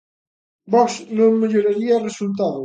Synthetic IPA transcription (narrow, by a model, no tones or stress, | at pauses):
bɔksnõŋmeʎoɾaɾiaresult̪aðo